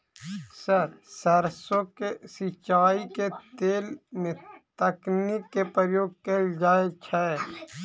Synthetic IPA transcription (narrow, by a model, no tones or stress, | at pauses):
səɾsəɾsõkesit͡ʃaːiket̪eːlmet̪əknikːepɾəjoːɡ̚keːld͡ʒaːet͡ʃʰɛː